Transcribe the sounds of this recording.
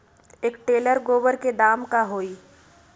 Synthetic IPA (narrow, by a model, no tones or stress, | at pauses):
eːkʈeːləɾɡoːʋəɾked̪aːmkaɦoːiː